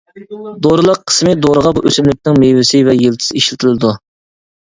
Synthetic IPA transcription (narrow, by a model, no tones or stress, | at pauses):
d̪oɾɨlˠəqʰːə̥smɨd̪oɾəʁɑbuʔøsymlɪk̚ʲnɪŋmejwɪsɪvɛjelˠt̪ʰɨ̥sɪiʃlɪt̪ʰɪlˠɨd̪u